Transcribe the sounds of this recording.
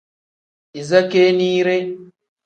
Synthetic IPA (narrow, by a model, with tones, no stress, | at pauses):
ʔi˨zɐ˦keː˦niː˦ɾe˦